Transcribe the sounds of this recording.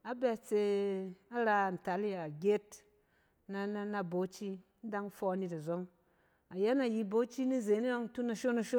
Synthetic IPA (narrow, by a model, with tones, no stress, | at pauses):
a˦bɛ˧t͡se˧a˦ɾa˧a˨n̩˨ta˨˦li˦a˨ɡʲe˦t | na˧na˦˧na˧bo˨˦t͡ʃi˦ | n̩˦da˦ŋ˦fɔ˧˦ni˧ta˨zo˦ŋ | a˨ja˦na˨ji˧bo˦t͡ʃi˦ni˦ze˨˦ni˦jo˦ŋ˦tu˦na˧ʃo˦na˧ʃo˦